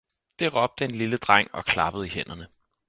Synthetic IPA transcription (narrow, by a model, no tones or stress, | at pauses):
d̥e̝ʁɒ̽b̥̚d̥əe̝nliləd̥ʁaŋ̰ɒ̽kʰlɑ̈b̥əð̩ˠihen̰ɐnə